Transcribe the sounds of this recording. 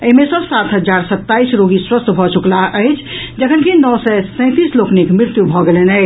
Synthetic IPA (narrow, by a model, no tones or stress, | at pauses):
əɦmesə̃sat̪ɦəd͡ʒaɾsət̪ːaisɾoɡiswəst̪ʰbʱɔt͡ʃuklaʔəɪt͡ʃʰ | d͡ʒəkʰənkinɔsɛsə̃ɪ̃t̪isloknikmɾɪɾt̪jubʱɔɡelɛnəɪ